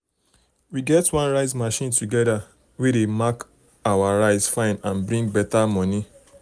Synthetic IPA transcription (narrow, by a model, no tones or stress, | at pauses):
wiɡɛtwãnɹaɪzmaʃĩntuɡɛda | wedemak | awaɹaɪzfãɪ̃nãnbɹĩŋɡ̚bɛtamɔni